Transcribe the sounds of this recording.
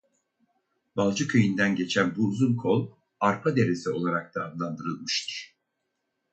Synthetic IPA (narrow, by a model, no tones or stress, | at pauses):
balˠd͡ʒɯkʰøjind̪ænɟe̞t͡ʃʰænbuːzunkʰo̞lˠ | aɾpʰad̪e̞ɾesio̞lˠaɾak̚d̪aːmlˠand̪ɯɾɯlˠmɯʃt̪ʰɯ̥ɾ̥